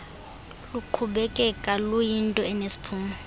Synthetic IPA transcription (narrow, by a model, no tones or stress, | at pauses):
luǃʰuɓɛkʼɛkʼalujintʼɔɛnesi̥pʰuːmu